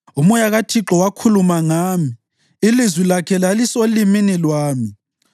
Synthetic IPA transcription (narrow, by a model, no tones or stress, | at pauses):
umɔjaɣatʰiǁɔwakʰulumaŋaːmi | ilizwilakʰɛlalisoliminilwaːmi